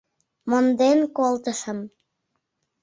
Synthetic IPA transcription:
mond̪enkolt̪əʃə̆m

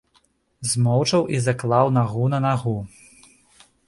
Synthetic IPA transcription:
zmɔwt͡ʂɐwʔizɐklˠawnaɣunɐnaɣu

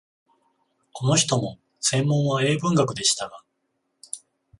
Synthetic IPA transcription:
kʰo̞no̞çi̥t̪o̞mo̞ | sẽ̞mːõ̞ɰ̃βae̞ːbɯ̟̃ŋɡakɯ̟d̪e̞ɕi̥t̪aɡa

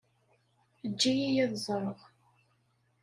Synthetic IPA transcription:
əd͡ʒːijijæðzˤɾˤəʁ

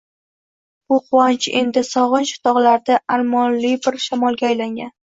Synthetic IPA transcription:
b̥ʊqʊwant͡ʃʰe̞nd̪ɪsɒʁɨnʃɪ̥t̪ʰɒʁlaɾd̪aʔaɾmɒnlibɪɾʃamɒlˠɡʲaːjlaŋɡʲan

